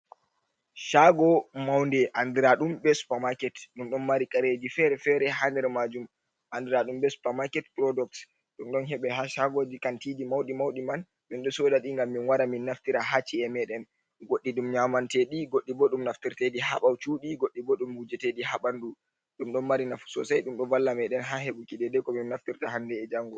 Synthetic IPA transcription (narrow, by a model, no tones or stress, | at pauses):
ʃaɡɔmawndɛʔandiɾaɗumbɛspamakɛtɗumɗɔnmaɾikʼaɾed͡ʒifɛɾɛfɛɾɛɦandɛɾmad͡ʒum | ʔandiɾaɗumbɛsu̥pamakɛtpɾɔdɔk̚t | ɗumɗɔnɦɛɓɛhaʃaɡod͡ʒikantidimawɗimawɗiman | minɗɔsɔɗaɗiŋɡamːinwaɾaminːaftiɾaɦat͡ʃiɛmɛɗɛn | ɡoɗːiɗumɲamantɛɗiɡoɗːibɔɗumnaftiɾtediɦaɓawt͡ʃuːɗiɡoɗːibɔɗumhud͡ʒɛtedihaɓandu | ɗumɗɔnmaɾinafu̥sɔ̰sajɗumɗɔvalːamɛɗɛnɦaɦeɓukidɛdɛkɔminnːaftiɾtahandɛːd͡ʒaŋɡɔ